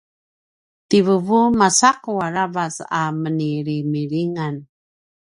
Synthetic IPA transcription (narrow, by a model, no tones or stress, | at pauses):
tivəvumasaquaɾavasaməniɾimiɾiŋan